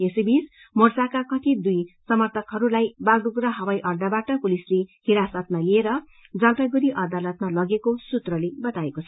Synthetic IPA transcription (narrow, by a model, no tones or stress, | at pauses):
esibis | mʌrt͡sakakʌʈʰid̪ujsʌmʌrt̪ʰʌkɦʌɾulajbalɖuɡrʌɦʌwajʔʌrd̪abaʈʌkulislehiɾasʌt̪̚malieɾʌ | d͡zʌlpaɡuɾiʔʌd̪alʌt̪̚malʌɡekosut̪rʌlebʌt̪aekot͡sʰʌ